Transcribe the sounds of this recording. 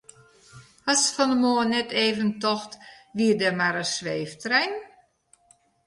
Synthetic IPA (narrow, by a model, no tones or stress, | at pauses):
hɔsfɔndəmoənɛtʰeːvəntɔxtʋiədəmaɾəsʋeːftrɛjn